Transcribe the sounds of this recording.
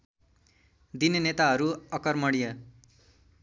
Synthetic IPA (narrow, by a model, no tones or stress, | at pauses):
d̪inenet̪aɦʌɾuʌkʌrmʌɽijʌ